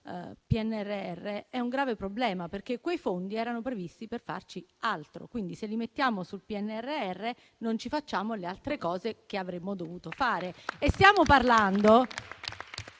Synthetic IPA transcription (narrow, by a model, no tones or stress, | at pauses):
piɛnːɛrːeɛrːeɛuŋɡɾaːvepɾoblɛːmaperkekːwejfond̪iɛːɾanopɾevist̪iperfa̰rt͡ʃialt̪ɾo̰kwind̪iselːimet̪ːjaːmosulpiɛnːɛrːeɛrːe | nont͡ʃifat͡ʃːaːmolealt̪ɾekɔːzekeavɾemːod̪ovuːt̪ofaːɾeest̪jaːmoparland̪o